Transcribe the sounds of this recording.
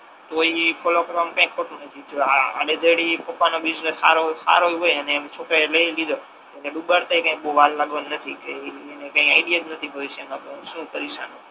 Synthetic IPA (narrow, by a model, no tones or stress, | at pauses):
t̪oipʰolokəɾamkãĩkpoʈʰũnət̪id͡ʒaa̰ɽed͡ʒəjɽipəpanobisnesaɾosa̰ɾoiɦojəneːmt͡ʃʰokʰeləilid͡ʒ̪o | eneɖubaɽt̪aikãĩkboʋalːaɡʋanːət̪ʰikeenekãĩaɪɖijad͡ʒnət̪ʰibʱoit͡ʃʰeemãt̪oʃũpəɾiʃa̰nũ